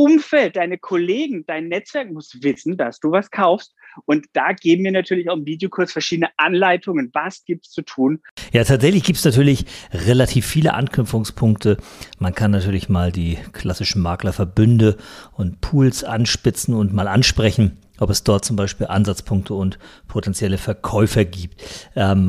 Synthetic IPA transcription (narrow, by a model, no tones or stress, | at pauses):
ʔʊmfɛlt̚d̥aɪnəkʰɔleːɡŋ̩d̥aɪnːɛt͡sv̥ɛɐk̚mʊsv̥ɪsn̩d̥asd̥uːvaskʰaʊfst̚ʔʊntd̥aːɡeːbm̩miːɐnatʰyːɐlɪçaʊxnviːdejokʰʊɐsfɛɐʃiːdənəʔanlaɪtʰʊŋənvasɡ̥iːp̚tt͡sutʰuːnjaːtʰaːtz̥ɛçlɪçɡ̥iːp̚tsnatʰyːɐlɪçʁelatʰiːfːiːlə̰ʔa̰nkʰnʏpp͡fʊŋspʰʊŋktʰəmankʰanːatʰyːɐlɪçmaːldiːkʰl̥asɪʃn̩maːɐklɐfɛɐbʏndəʔʊntpʰuːlsʔanʃpɪt͡sn̩ʊntmaːlʔanʃpʁ̥ɛçn̩ | ʔɔpɛsd̥ɔɐt̚t͡sʊmbaɪʃpiːlʔa̰nzat͡spʰʊŋktʰəʊntpʰotʰɛnt͡sjɛləfɛɐkʰɔʏfɐɡiːptʔɛːm